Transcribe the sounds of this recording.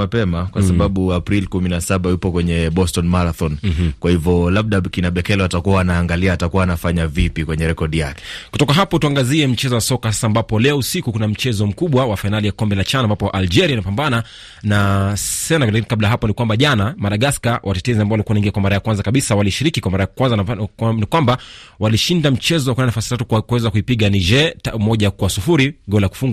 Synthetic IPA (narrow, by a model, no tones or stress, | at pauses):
apɛmakwassaɓaɓuapɾilikuminasaɓajupɔkwɛɲɛɓɔstɔnmaɾaθɔnkwahivɔlab̚ɗakinaɓɛkɛlɛatakuaːnaːŋɡaliaːtakuwaːnafaɲavipikwɛɲɛɾɛkɔɗijakɛku̥tɔkaɦapɔtuaŋɡaziɛm̩t͡ʃɛzɔwasɔkasḁsaːmbapɔlɛɔusikukunam̩t͡ʃɛzɔm̩kuɓwawafainalijakɔmbɛlat͡ʃanambapɔʔald͡ʒɛɾiainapambana | nasɛnaakinkaɓlajaɦapɔnikwambaʄanamaɗaɠaskawʔatɛtɛziambaɔwalikuanaiŋɡiakwamaɾajakwanzakaɓisawaliʃiɾikikwamaɾajakwanzanikwambawaliʃindam̩t͡ʃɛzɔwkunanafasi̥atatukuwɛzakuipiɠaniʒɛmɔʄakwasufuɾiɡɔlaaku̥fuŋɡa